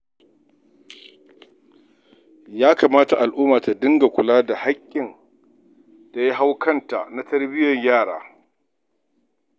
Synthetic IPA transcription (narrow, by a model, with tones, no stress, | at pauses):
jaː˦kaː˨maː˦ta˨ʔa˨lʔuː˦maː˨ta˨dɪ˦ŋɡa˨kʷʊ˨laː˦da˨ha˦kʲʼːɪ˨n | ta˨ji˦ɦa˦wkʰɐ˦nta˨na˦tɐ˦rbɪ˦jɐ˨ɲjaː˦˨ɽaː˨˦